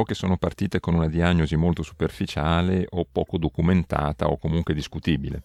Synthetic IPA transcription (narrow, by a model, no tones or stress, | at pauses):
ɔk̟ːesːoːnopart̪iːt̪ekonunad̪iaɲːozimolt̪osu̥perfit͡ʃaːleʔopːɔ̰ːkod̪okument̪a̰ːt̪a̰o̰kːomuŋkwed̪iskut̪iːbilḛ